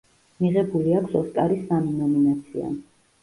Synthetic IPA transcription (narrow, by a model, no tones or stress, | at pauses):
miʁɛbuliakʰsɔsk̪ʼaɾisːaminɔminat̪sʰia̰